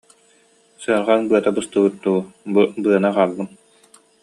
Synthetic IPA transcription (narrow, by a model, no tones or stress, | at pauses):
sɯɾʁanbɯɐt̪abɯst̪ɯbɯt̪̚t̪uububɯɐnaqaːlˠːɯm